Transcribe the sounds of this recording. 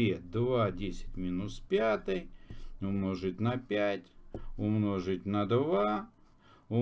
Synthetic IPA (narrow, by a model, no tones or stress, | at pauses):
ed̪vadʲesʲɪ̥tʲmʲinʊspʲat̪ɨjʊmnoʐɨtʲnɐpʲætʲʊmnoʐɨtʲnɐd̪va | ʊ